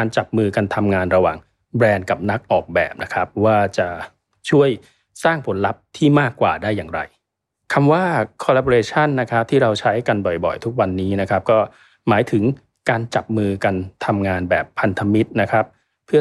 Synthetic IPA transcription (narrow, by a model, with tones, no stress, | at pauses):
aː˧nt͡ɕa˨˩p̚mɯː˧ka˧nt̪ʰa˧mŋaː˧nɾa˧waː˨˩ŋ | bɾɛː˧nka˨˩p̚na˦˥k̚ʔɔː˨˩k̚bɛ̰ː˨˩p̚na˦˥kʰa˦˥p̚waː˥˩t͡ɕa˨˩ | t͡ɕʰu˥˩əj | saː˥˩ŋpʰo˩˦nla˦˥p̚t̪ʰiː˥˩maː˥˩kːwa̰ː˨˩daː˥˩jːaː˨˩ŋɾa̰˧j | kʰa˧mwaː˥˩kʰɔ˧laː˦˥bɔː˧ɾeː˧t͡ɕʰa˥˩nːa˦˥kʰɾa˦˥p̚t̪ʰiː˥˩ɾa˧wt͡ɕʰa˦˥jka˧nbɔ˨˩jbɔ̰˨˩jt̪ʰu˦˥k̚wa˧nːiː˦˥na˦˥kʰa˦˥p̚kɔː˥˩ | maː˩˦jt̪ʰɯ˩˦ŋ | kaː˧nt͡ɕa˨˩p̚mɯː˧ka˧nt̪ʰa˧mŋaː˧nbɛː˨˩pʰːa˧nt̪ʰa˧mi˦˥t̪̚na˦˥kʰɾa˦˥p̚ʰː | ɯ˥˩ɐ